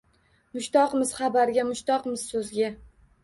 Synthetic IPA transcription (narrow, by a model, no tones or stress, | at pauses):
mʊʃt̪ɒqmɪz̥χabaɾɡʲamʊʃt̪ɒqmɪzsɵzɡʲa